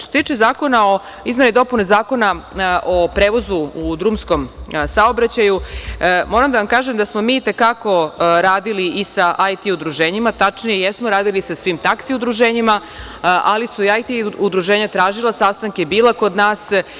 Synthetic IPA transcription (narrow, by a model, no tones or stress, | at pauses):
toset̪iːt͡ʃezaːko̞nao̞ | izme̞nid̪o̞punezaːko̞naʔopɾeːʋo̞zuud̪ɾuːmsko̞msao̞bɾat͡ɕajumo̞ːɾamd̪aʋamkaːʒemd̪asmo̞miːt̪e̞kako̞ɾaːd̪iliʔisaʔajt̪iud̪ɾuʒeːɲimat̪at͡ʃnijejesmoɾaːd̪ilisasʋimt̪aksiud̪ɾuʒeːɲima | ʔa̰lisuiajt̪iud̪ɾuʒeːɲat̪ɾaːʒilˠasast̪aŋke̞biːlˠako̞d̪naːs